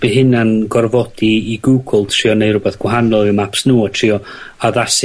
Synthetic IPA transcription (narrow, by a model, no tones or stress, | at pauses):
b̥eɦɪnanɡɔrvɔd̥iːɡuːɡʊlˠtʰriɔnejrʊbɛθɡ̥waɦanɔlˠɪmapsnuːatʰr̥iɔ | aðasɪ